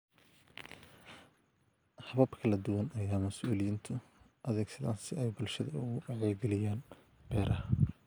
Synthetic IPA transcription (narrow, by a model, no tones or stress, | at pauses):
hɐβɐbkʰɐlɐd̪ʊwɐnɐjaːmɐsuːlɪjint̪ʰʊ | ʔɐðɛːɡsɐða̰ːnsɪɛjbʊlʃɐðɐʊɣʊɑʕɛːlɡɛlɪjaːn | b̥ɛːɾɐhɐ